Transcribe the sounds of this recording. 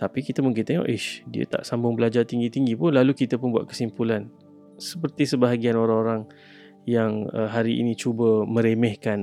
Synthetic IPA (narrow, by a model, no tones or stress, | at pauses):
t̪apikit̪amuŋkɪnt̪eŋɔ̰ʔiʃdiə̰t̪a̰ʔsambʊŋbəlad͡ʒart̪iŋɡit̪iŋɡipʊnlalukit̪apʊnbua̰ʔ̪̚kə̥simpulan | səpərt̪isəbaɦaɡianoɾaŋoɾaŋ | jaŋə̰ɦaɾiḭnĩt͡ʃubəmə̃ɾemɛhkan